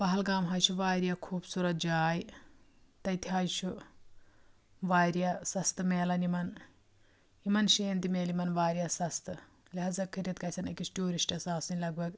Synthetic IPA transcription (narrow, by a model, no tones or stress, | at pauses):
bɐɦɐlɡaːmɦɐjt͡ʃʰuʋaːɾjɐkʰuːbsuɾɐt̪̚d͡ʒaːj | t̪ɐjt̪ʰiɦɐjt͡ʃʰu | ʋaːɾjɐsɐst̪ɨmeːlɐnimɐn | imɐnʃeːnt̪imeːlimɐnʋaːɾjɐsɐst̪ɨ | lɐɦɐzɐkʰːiɾjɐt̪kɐjsʲɐnḭkisʈuːɾisʈɐsaːsinʲlɐɡʋɐɡ